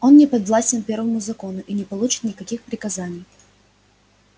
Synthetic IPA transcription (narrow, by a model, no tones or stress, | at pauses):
o̞nːʲɪpɐd̪vlˠasʲtʲɪnpʲe̞rvəmʊzɐko̞nʊʔinʲɪpɐlˠut͡ɕɪ̥t̪nʲɪkɐkʲixpɾʲɪkɐzanʲɪj